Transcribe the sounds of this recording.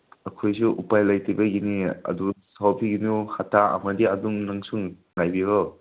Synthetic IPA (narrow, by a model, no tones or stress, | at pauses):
ɐkʰojsuʔupajlajtʰibɐɡiniɐ̰dusawpʰiɡinuhatʰaɐ̰mɐdiɐduŋnaŋsuŋ | najbiɾɔ